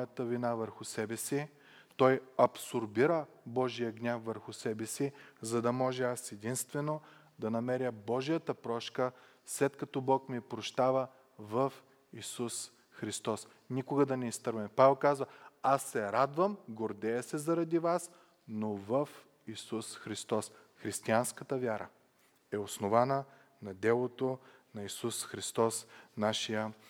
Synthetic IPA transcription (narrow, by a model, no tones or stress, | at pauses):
jɐt̪əvinavəɾxʊsɛbɛsi | t̪ɔjɐpsoɾbiɾə | bɔʒijəɡnʲafːəɾxʊsɛbɛsizɐd̪ɐmɔʒɛasɛd̪inst̪vɛno | d̪ɐnɐmɛɾjəbɔʒijət̪əpɾɔʃkə | slɛt̪kɐt̪ɔbɔkmipɾoʃt̪avə | vəf | isus | xɾist̪ɔs | nikʊɡəd̪ɐnɛist̪ɤɾvɐmɛpavɛlˠkazvɐasːɛɾad̪vəmɡoɾd̪ɛjɐsɛzɐɾɐd̪ivas | novəf | isusxɾist̪ɔsxɾist̪ianskət̪əvʲjaɾʔə̰ | ɛosnovanə | nɐd̪ɛlˠot̪onɐisusxɾist̪ɔsnaʃijə